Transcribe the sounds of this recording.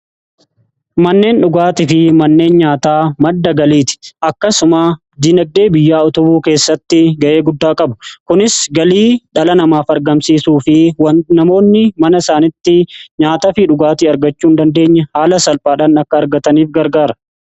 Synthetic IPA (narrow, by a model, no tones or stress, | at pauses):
mɐnːe̞ːnᶑʊɡaːt̪ɪfɪmɐnːe̞ːnɲaːt̪aːmɐd̪ːɐɡɐliːt̪ɪ̥ʔɐkːɐsʊma | d̪inɐɡ̚d̪e̞ːbɪjːaːʊt̪ʊbuːke̞ːsːɐt̪ːɪɡɐʔe̞ːɡʊd̪ːaːkʼɐbʊ̥kʊnɪsɡɐliːᶑɐlɐnɐmaːfɐɾɡɐmsiːsuːfɪwɐnɐmo̞ːnːɪmɐnɐɪsaːnɪt̪ːɪɲaːt̪ɐfɪᶑʊɡaːt̪ɪɐɾɡɐt͡ʃːuːnd̪ɐnd̪e̞ːɲːɐhaːlɐsɐlpʼaːᶑaːnɐkːɐːɾɡɐt̪ɐniːfɡɐɾɡaːɾɐ̥